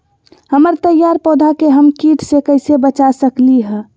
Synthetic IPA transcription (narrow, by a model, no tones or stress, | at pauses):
həməɾt̪əjaɾpɔːd̪ʱakeɦəmkiʈʰsekəɪsebət͡ʃasəkliɦɛ̃